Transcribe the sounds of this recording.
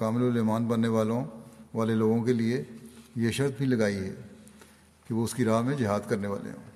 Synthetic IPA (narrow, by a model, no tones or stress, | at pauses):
kaːmɪloleɦmaːnbɐnːeʋaːlõʋaːleloːɡõkeliejeʃɐɾt̪̚bʱilɐɡaːiɦɛ̰ː | kiʋoʊskiɾaːɦmẽd͡ʒɪɦaːd̪kɐɾneʋa̰ːlḛɦõ̰ː